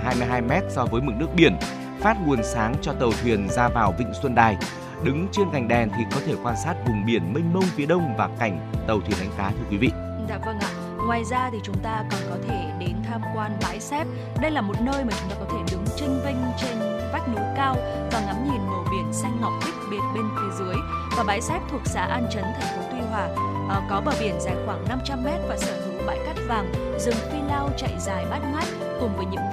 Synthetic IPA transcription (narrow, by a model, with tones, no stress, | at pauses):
ɦaː˧jmɨ˧jɦaː˧jmɛ˦˥t̚sɔ˧vəː˨˦jmɨ̰˨˩nɨ˦˥əɓi˧˩ən | faː˦˥t̚ŋu˨˩ənsaː˨˦ŋt͡ɕɔ˧t̪ə˨˩wt̪ʰwi˨˩ənzaː˧vaː˨˩wvḭ˧˨ŋ̟swə˧nɗaː˨˩j | ɗɨ˨˦ŋt͡ɕe˧nka˨˩jŋ̟ɗɛ˨˩nt̪ʰi˨˩kɔ˨˦t̪ʰe˧˩kwaː˧nsaː˦˥t̚vʊ˨˩ŋ͡mɓi˧˩ənmï˧ŋ̟mə˧wŋ͡mfi˨˦əɗə˧wŋ͡mvaː˨˩ka˧˩jŋ̟t̪ə˨˩wt̪ʰwi˨˩ənʔa˨˦ŋ̟kaː˨˦t̪ʰɨ˧əkwi˨˦vḭ˧˨ | za̰ː˧˩və˧ŋʔa̰ː˨ | ŋwaː˨˩jzaː˧t̪ʰi˨˩t͡ɕʊ˨˦ŋ͡mt̪aː˧kɔ˨˩nkɔ˨˦t̪ʰe˧˩ɗe˨˦nt̪ʰaː˧mkwaː˧nɓa̰ː˨˦jsɛ˦˥p̚ | ɗə˧jlaː˨˩mo˨˩t̚nəː˧jmaː˨˩t͡ɕʊ˨˦ŋ͡mt̪aː˧kɔ˨˦t̪ʰe˧˩ɗɨ˨˦ŋt͡ɕï˧ŋ̟vï˧ŋ̟t͡ɕe˧n | va˦˥jk̟̚nu˨˦kaː˧w | vaː˨˩ŋa˨˦mɲi˨˩nːo˧˩ɓi˧˩ənsa˧jŋ̟ŋɔ˨˩wk͡p̚t̪ï˦˥k̚ɓi˨˩ət̚ɓe˧nt̪ʰe˨˦zɨ˨˦əjvaː˨˩ɓaː˨˦jsɛ˦˥p̚t̪ʰu˨˩ək̚sa̰ː˧˦ʔaː˧nt͡ɕə˨˦nt̪ʰɛ˨˩ŋ̟fo˨˦t̪ʰwi˧ɦwaː˨˩ | ʔkɔ˨˦ɓəː˧˩ɓi˧˩ənzaː˧˩jxwaː˧˩ŋna˧mt͡ɕa˧mːɛ˦˥t̚vaː˨˩saː˧˩zʊ̰˧˨ŋ͡mɓa̰ː˧˨jka˦˥jk̚vaː˨˩ŋ | zɨ˨˩ŋt̪i˧laː˧wt͡ɕa̰˧˨jzaː˨˩jɓa˦˥t̚ŋa˦˥jk̚ | kʊ˨˩ŋ͡mvəː˨˦jɲɨ̰˧˥ŋ